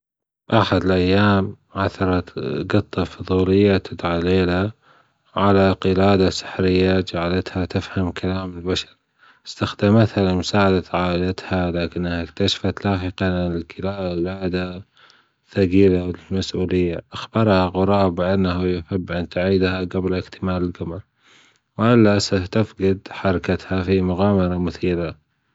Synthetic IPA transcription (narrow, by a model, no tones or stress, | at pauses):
ʔaħad̪ɪlʔajːaːm | ʕaθɑɾˤɑt̪ɡɨt̪ˤːɑfʊðˤuːlɪjːat̪ʰɪd̪ʕaleːla | ʕalaqɨlaːd̪asɪ̥ħɾɪjːad͡ʒaʕalat̪hat̪ɪfhamkʰalaːmɪlbaʃɑɾ | ɪst̪axd̪amat̪halmʊsaːʕad̪aʕaːʔlat̪halaːkɪnːhak̚t̪aʃḁfat̪laːħɪqalɪnɪlqɪlaːlaːd̪a | θaɡiːlalmasʔuːlɪjːaʔaxbɑɾˤhaɣʊɾˤɑːbɪʔanːaɦujɪfabːʔant̪aʕiːd̪haɡablɪkt̪ʰɪmaːlɪlɡamal | wɪʔɪlːasat̪afqɪd̪ħɑɾˤɑkat̪hafimʊɣaːmɑɾˤɑmʊθiːla